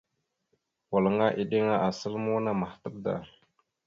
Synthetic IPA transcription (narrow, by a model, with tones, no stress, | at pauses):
wə˨lə˨ŋa˦ʔi˨ɗi˦ŋa˦ʔa˨sə˦lmu˦na˦ma˨ht̪ə˦p̚da̰˨